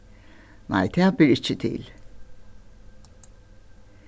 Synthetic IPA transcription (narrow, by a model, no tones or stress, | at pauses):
ma̰jt̪ʰjabiɾit͡ʃid̪ḛːlʲ